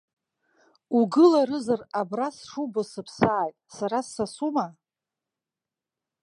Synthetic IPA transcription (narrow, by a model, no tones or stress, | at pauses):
uɡɨlaɾɨzarabrasʂubosɨpʰsaːjtʼsaɾasːasuma